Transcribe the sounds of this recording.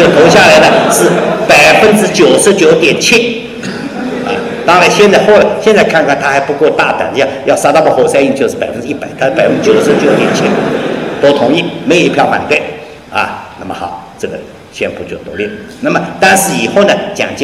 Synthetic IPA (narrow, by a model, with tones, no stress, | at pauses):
o˥˩ʊt̪ʰo˧˥ʊɕja˥˩la˧˥ɪnə˧ʂɻ̩˥˩pa˨˩ɪfə˥nʈ͡ʂɻ̩˥t͡ɕjo˨˩ʊʂɻ̩˧˥t͡ɕjo˨˧ʊ˥t̪jɛ˨˩nt͡ɕʰɛ˥˩ | a̰˩ | t̪ɑ˥ŋla˧˥ɪɕjɛ˥˧nt͡sa˥˧ɪxo˥˩ʊla˧˥ɪɕjɛ˥˧nt͡sa˥˧ɪkʰa˥˧nkʰa˥˩nt̪ʰa˥xa˧˥ɪpu˧˥kwɔ˥˧t̪a˥˩t̪a̰˨˩d̪ə˧˩jjɑ˥˧ʊsa˥t̪a˥˩pwɔ˥˩xwɔ˥˩sa˥˧ɪi˥˧ŋt͡ɕjo˥˧ʂɻ̩˥˩pa˨˩ɪfə˦nʈ͡ʂ̩˧i˥˩pa˨˩˦t̪ʰa˥ʂpɪə˥nʈ͡ʂ̩˥˩jo˨˩ʊʂɻ̩˧˥t͡ɕjo˨˧˦t̪jɛ˨˩nt͡ɕʰi˥t̪o˥ʊt̪ʰʊ˧˥ŋi˥˩me˧˥jo˨˩ʊ˧i˧˥pʰjɑ˥˩ʊfa̰˨˩nt̪we˥˩ɪ | ɐ̰˧˩na˥˩mə̰˨˩xɑ˨˩˦ʊʈ͡ʂɤ˥˩ɡə˩ | ɕʰjɛ˥˩npʰu˧˥˩t͡ɕjo˥˩ʊt̪o˧˥li˥˩lə˩ | na˥˩mə˨t̪a˥˧nʂɻ̩˥˩i˨˩xo˥˩ʊnə˩t͡ɕjɑ̰˨˩ŋt͡ɕ